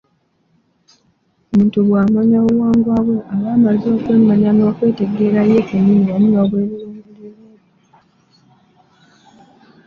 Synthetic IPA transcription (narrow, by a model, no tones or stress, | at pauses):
omuːntuβwaːmaɲauɣwaːŋɡwaβweʔaβaːmalizo̞ːkweːmaɲano̞ːkwe̞ːte̞ɡeːɾajeːkaɲiniβamuŋɡaβweːɾeɾmdee